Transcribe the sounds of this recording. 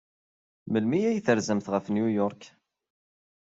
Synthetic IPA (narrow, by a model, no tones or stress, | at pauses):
məlmijæjθəɾzəmθʁəfnjujɔɾˤk